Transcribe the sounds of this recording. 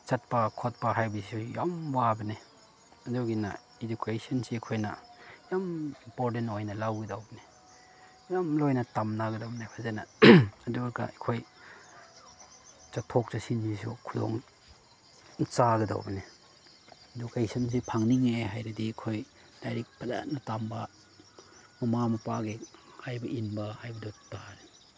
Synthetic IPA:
t͡ʃɐt̚pɐkʰot̚pɐɦajbɐsujamwabɐne | ɐduɡinɐ̰ | ed͡ʒukʰesɐnsikʰojnɐ̰jamimpoɾtentojnɐlawɡidawbne | jamlojnɐtamnaɡɐdawbnepʰazenɐɐduɡɐ̰ekʰoj | t͡ʃɐk̚tʰok̚tɐsinːisṵkʰudo̰ŋ | t͡ʃaɡɐda̰wbɐne | ɐdukajsɐns̬ipʰaŋniŋeɦajɾɐdikʰoj | dajɾik̚pʰɐla̰t̚nɐtambɐ | mumamɐpaɡihajbɐʔinbɐhajbɐdotaɾi

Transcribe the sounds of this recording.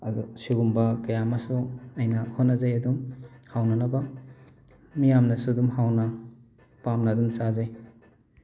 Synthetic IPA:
ɐusiɡumbɐkɐjamasuɐjnɐhotnɐzajɐdumhawnɐnɐbɐ | mijamnɐsudumhawnɐ | pamnadumsazaj

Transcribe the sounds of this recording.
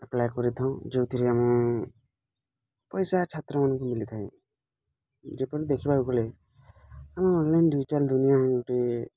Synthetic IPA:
aplajkɔɾit̪ʰɔw̃d͡ʒewt̪ʰiɾiamũ | pɔjsat͡ʃʰet̪ɾɔmanɔ̃kumilit̪ʰaĩ | d͡ʒepɔɾid̪ekʰibaukɔle | amãɔlːanɖid͡ʒʈeld̪unijaɦeʈe

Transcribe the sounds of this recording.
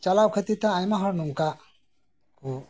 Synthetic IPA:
t͡ʃalawkʰət̪it̪ãajmaɦɔɾnumka | ku

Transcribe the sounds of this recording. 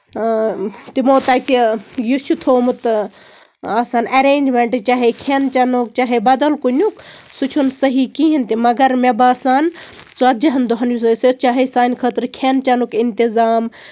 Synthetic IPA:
t̪imoːt̪aːt̪ijut͡ʃʰut̪ʰoːmut̪ | aːsaːnɐɾeːnd͡ʒmeɳʈɨt͡ʃaːɦekʰent͡ʃɐnuk̚t͡ʃaːɦebɐd̪ɐlkunʲuksut͡ʃʰunsɐɦikiɦint̪imɐɡɐɾmebaːsaːnt͡sat̪̚d͡ʒɐɦɐnd̪oɦɐnjus̬ɐsit͡ʃaːɦisaːnʲkʰət̪ɾkʰent͡ʃɐnukint̪izaːm

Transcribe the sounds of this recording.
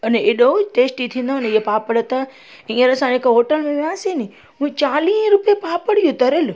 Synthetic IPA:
əneeɗoʈeːsʈit̪ʰĩːnd̪oneiepaːpəɽət̪a | ĩəɾəsãekoɦoːʈəlmẽʋãːseni | ɦũt͡ʃaːlĩːɾʊpijepaːpəɽijũt̪ɐɾelu

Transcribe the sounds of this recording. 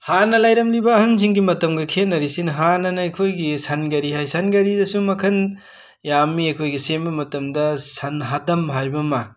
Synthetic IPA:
hanɐlajɾɐmlibɐːhɐŋz̬iŋɡimɐtɐmɡɐkʰenːɐɾisinɦanɐnɐɐjkʰojɡisɐnɡɐɾihajsɐnɡɐɾidɐsumɐkʰɐn | jamiɐjkʰojɡisembɐmɐtɐmdɐsɐnɦadɐmɦajbɐma

